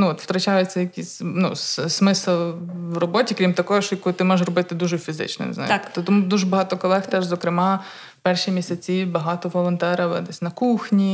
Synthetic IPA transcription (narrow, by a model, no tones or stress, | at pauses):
nuɔt̪wt̪ɾɐt͡ʃɑjɛt͡sʲːɐjɐkʲisʲnṵsmɪslˠwrɔbɔtʲikɾʲimt̪ɐkɔjɔʃjɐkʊt̪ɪmɔerɔbɪt̪ɪd̪uʒɛfʲizɪ̰t͡ʃnɔ̰n̰zɑ̰j̰t̪ːɔt̪ɔmud̪uʒɛbɐɦɑt̪ɔkɔlˠɛxt̪ɛʒzɔkɾɪmɑ | pɛrʃimʲisʲɐt͡sʲiwbɐɦɑt̪ɔʋɔlˠɔnt̪ɛɾɐʋɛ̰d̪ɛsʲnɐkuxnʲi